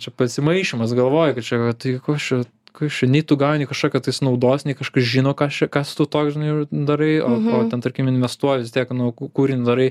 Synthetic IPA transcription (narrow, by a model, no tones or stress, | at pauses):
t͡ʃʲɛpɐsʲɪmɐɪʃʲɪmɐs̬ɡɐlˠʋoːjɛkɐt̪t͡ʃʲɛɐt̪ɐkoːt͡ʃʲɛ | koːst͡ʃʲɛnʲɛɪt̪ʊɡɑːonʲɛɪkɐʃkoːkʲɛt̪ɐɪsnɐʊd̪oːsnʲɛɪkɐʃkɐsʒʲinoːkɑst͡ʃʲɛkɑst̪ut̪oːksʒʲɪnɐɪjd̪ɐɾɐɪoːoːt̪ʲɛnt̪ɐɾʲkʲiːmʲɪnʲʋʲɛst̪uɔjɛʋʲɪstʲiɛknʊkuːɾʲɪnʲd̪ɐɾɐɪ